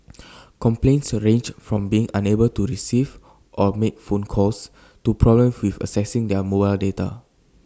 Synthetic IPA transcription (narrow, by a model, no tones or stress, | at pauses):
kɔ̃mplẽnsɹẽnd͡ʒfɹɔ̃mbiɪ̃ŋʔãnebəltuɹisiv | ʔɔmek̚fõnkʰɔs | tupʰɹɔblə̃mswifə̰sɛsĩŋdɛmobaɪldeta̰